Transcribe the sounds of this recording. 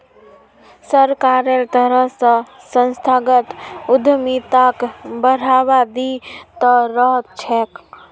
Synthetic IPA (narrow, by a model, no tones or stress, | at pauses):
səɾkaːɾelt̪əɾəɦsə̃ | sə̃nst̪ʰaːɡət̪ʊd̪ʱmit̪akbəɾ̤aːʋad̪it̪əɾət͡ʃʰɛːk